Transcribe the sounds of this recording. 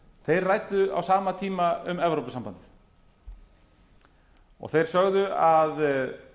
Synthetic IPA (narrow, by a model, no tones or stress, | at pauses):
θejrrajt̪ʏa̰wsaːmat̪ʰiːmaʏmɛvɾowpʏsampant̪ɪθ | ɔ̰ɣθejɾ̥sœɣðʏað